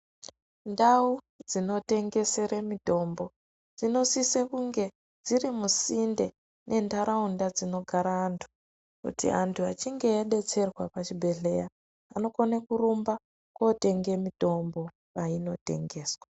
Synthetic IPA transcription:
ndau | d͡zino̞te̞ŋɡe̞se̞remito̞mbo̞ | d͡zino̞sisekuŋɡe̞ | d͡zirimusinde | nʔe̞ndaɾaundad͡zino̞ɡʱaɾaːntʰu̥ | kṵtḭantʰuat͡ʃiŋɡe̞jaɗe̞t͡se̞rwapat͡ʃibʱe̞ɮe̞ja | ano̞konekurumba | kote̞ŋɡe̞mito̞mbo̞ | paino̞te̞̰ŋɡe̞ːswa

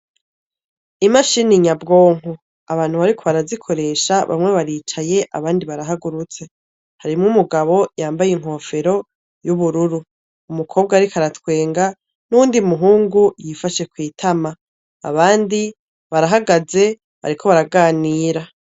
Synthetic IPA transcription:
imaʃiniɲabɡo̞ːŋ̥u | aβaːnhuβaɾikʰo̞βaɾazikʰo̞ɾe̞ːʃaβa̰mŋe̞βaɾit͡ʃaje̞ʔa̰βaːndiβaɾaɦaɡuɾut͡se̞ | haɾimŋumuɡaβo̞jaːmbajiŋ̥ho̞ːfe̞ɾo̞ | juβuɾuɾuː | mukʰo̞ːb̚ɡaɾikʰaɾatwe̞ːŋɡa | nuuːndiumuɦuːŋɡujifaʃe̞kwiːtʰama | a̰βaːndi | βaɾaɦaɡaze̞ | βa̰ɾikʰo̞βaɾaɡaːniːɾa

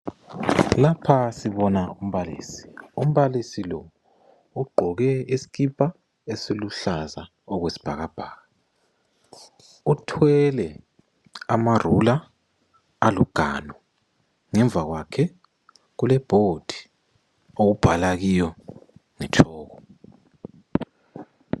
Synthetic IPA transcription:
lapʰasiβɔnaum̩βalḭːsi̥um̩βalisilɔ | uɡ͡ǃʱɔɣɛisi̥ɣipʰʼa | esiluɬaza | ɔɣwesi̥b̥ʱaɣab̥ʱaːɣa | utʰwɛlɛ | amarulaː | luɡ̥ʱanɔ | ŋɛɱb̪vʱaɣwakʰɛ | ɣulɛb̥ʱod̥ʱi̥ | oɣub̥ʱalaɣijɔŋɛt͡ʃʰɔːɣɔ

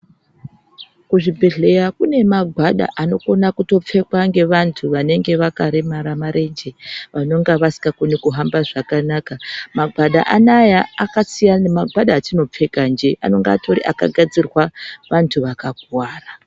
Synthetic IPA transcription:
kuʐibʱe̞ɮe̞jakune̞maɡʱwaɗa̰ʔano̞ko̞nakuto̞p͡fe̞kwaŋɡe̞ʋantʰuʋane̞ŋɡe̞ʋakaɾemaɾamaɾe̞nd͡ʒe̞ʋano̞ŋɡaʋasi̥kɡakunikuɦambaʐakanakamaɡʱwaɗa̰ʔanajaːkasijanemaɡʱwaɗaːtino̞p͡fe̞kand͡ʒe̞ʔa̰no̞ŋɡaa̰tʰo̞ɾḭʔa̰ka̰ɡʱad͡zirwaʋantʰuʋakaɡʱwaːra

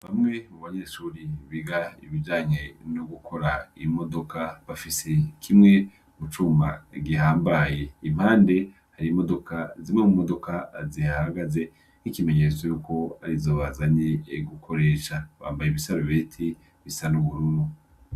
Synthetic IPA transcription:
βamŋe̞muβaɲe̞ʃuːɾiβiɡaḭβid͡ʒaːɲenoɡukʰo̞ɾaimo̞do̞kaβafise̞kʰimŋe̞ | mut͡ʃuma̰ɡiɦaːmbaje̞im̥haːnde̞ | haɾimo̞do̞kazimŋemumo̞do̞kazihahaɡaze̞ | nikime̞ɲet͡sojuːko̞aɾizo̞ːβazaɲeɡukʰo̞ɾe̞ːʃaβa̰ːmbajeβisaɾoβeːtʰi | βisanuβuɾunu

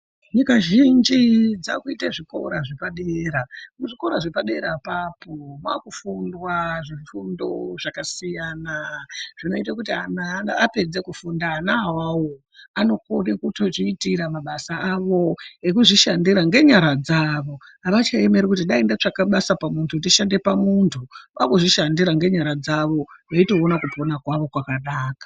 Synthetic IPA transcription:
ɲikaʒind͡ʒid͡za̰kuitaʐiko̞̰ɾaʐipaɗeɾamuʐiko̞ɾaʐepaɗe̞ɾapapomwakufundwaʐifundo̞ʐakasijaːnaʐ̥ino̞itakut̬ianaape̞d͡ze̞kufundaːnaawawo | ano̞koɗekuto̞ʐiːtiɾamaɓasaaʋo̞ekuʐiʃandiɾaŋɡe̞ɲaɾad͡zaʋo̞aʋat͡ʃae̞me̞ɾikutiɗaindat͡ʂakaɓasapamuntʰutiʃande̞pamuntʰuʋakuʐiʃandiɾaŋɡe̞ɲaɾad͡zaʋo̞ʋaito̞ːnakuponakwaʋo̞kwakaɗaːkḁ

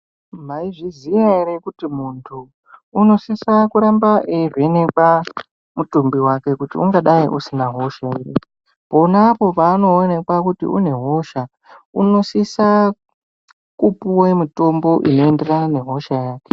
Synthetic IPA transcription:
maiʐizijaiɾekutimuntʰuː | no̞sisakuɾambaʔere̞nekwa | mutumbiwake̞kutiuŋɡaɗaiʔusinaɦo̞ʃairḛ | po̞napo̞paːno̞ːne̞kwakutḭʔṵne̞ɦo̞ʃa | uno̞sisa | kupuwe̞mito̞mbo̞ʔino̞e̞nderanane̞ɦo̞ʃajaːke̥

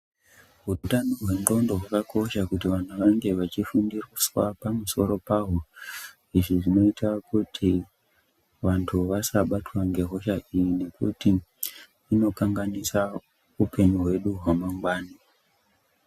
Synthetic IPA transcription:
ɦutanoɦwe̞nro̞ndo̞ɦwakakʰo̞ʃakutiʋan̤uʋaŋɡe̞ʋat͡ʃifundiriswapamuso̞ɾo̞paɦo̞ | iʐiʐino̞itʰakutʰi | ʋantʰuʋasaɓatwaŋɡe̞ɦo̞ʃaʔijine̞kṵtiː | no̞kaŋɡanisa | upʰe̞ɲuɦwe̞ɗuɦwamaŋɡwaːni

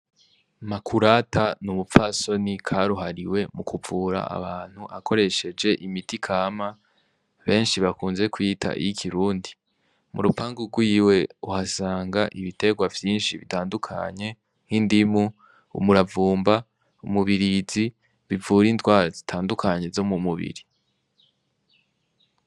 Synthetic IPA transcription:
makʰuɾatanumufaːso̞nikʰaɾuɦaɾiwe̞mukuvuːɾa̰a̰βaːn̥huʔakʰo̞ɾe̞ʃe̞d͡ʒe̞ʔimitikʰaːma | βe̞ːnʃiβakuːnze̞kwitʰa̰ʔḭjikʰiɾuːndi | mṵɾupaːŋɡuɡwiːwe̞uhasaːŋɡaʔiβite̞ɡwavjiːnʃiβitaːndukʰa̰ɲe̞ | ŋ̥hindimu | ṵmuɾavuːmba | umuβiɾizi | βivuːɾintwaːɾazitʰaːndukʰaɲe̞zo̞mumuβḭɾi

